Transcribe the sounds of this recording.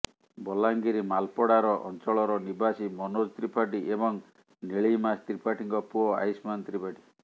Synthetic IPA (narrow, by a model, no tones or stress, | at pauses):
bɔlaŋɡiɾimalpɔɽaɾɔʔɔ̰nt͡ʃɔɭɔɾɔnibasimɔnod͡ʒt̪ɾipʰaʈiʔebɔŋ | neɭimast̪ɾipʰaʈiŋkɔpuɔa̰jsmant̪ɾipʰaʈi